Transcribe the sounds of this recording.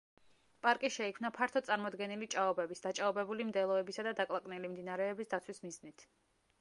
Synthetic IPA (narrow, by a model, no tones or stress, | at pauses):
pʼaɾkʼiʃɛikʰmnapʰaɾt̪ʰɔt̪sʼaɾmɔd̪ɡɛnilit͡ʃʼaɔbɛbisd̪̥at͡ʃʼaɔbɛbulimd̪ɛlˠɔɛbisad̪ad̪akʼlˠakʼnɛlimd̪inaɾɛɛbisd̪at̪sʰwismiznit̪ʰ